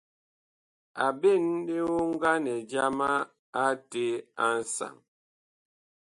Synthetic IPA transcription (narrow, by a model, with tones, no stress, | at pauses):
a˨be˦˨n˦de˦wo˦ŋ̩˦ɡa˦nɛ˨d͡ʒa˦ma˦ | a˦te˦a˦n̩˦sa̰˨ŋ